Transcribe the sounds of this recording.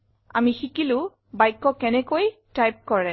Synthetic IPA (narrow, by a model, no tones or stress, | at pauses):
a̰mixikilʊ̃ | bajkːɔkɛnɛkojtajp̚kɔɹɛ